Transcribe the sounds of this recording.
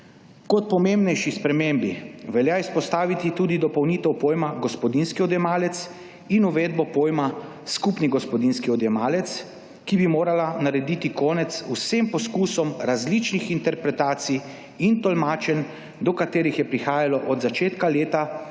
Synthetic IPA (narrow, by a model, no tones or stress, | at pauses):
kɔt̪̚pɔmembnɛjʃispɾɛmembiʋɛljaispɔst̪aːʋit̪it̪uːd̪id̪ɔpɔwnit̪ɛwpoːjmaɡɔspɔd̪inskiɔd̪jɛmaːlɛt̪s | inuʋeːd̪̚bɔpoːjma | skupniɡɔspɔd̪inskiɔd̪jɛmaːlɛt̪s | kibimoːɾalanaɾɛd̪iːt̪ikɔːnɛt̪susempɔskuːsɔmɾazlit͡ʃnixint̪ɛɾpɾɛt̪aːt̪sij | int̪ɔlmaːt͡ʃɛn | d̪ɔkat̪eːɾixjɛpɾixaːjalɔʔɔd̪zat͡ʃeːt̪kaleːt̪a